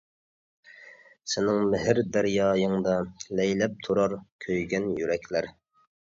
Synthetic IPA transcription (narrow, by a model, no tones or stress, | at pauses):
sɪnɪŋmɪɦɪɾd̪æɾjɑːjəŋd̪ɑlɛjlɛp̚t̪ʰuɾɑɾkʲʰøjɡʲɛnjyɾɛkʲʰlæɾ